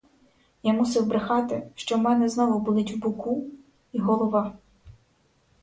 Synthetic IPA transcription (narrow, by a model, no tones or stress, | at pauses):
jamusɪwbɾɪxɑt̪ɪʃt͡ʃɔmɛnɛznɔʋɔbulˠɪtʲwbʊku | iɦɔlˠɔʋɑ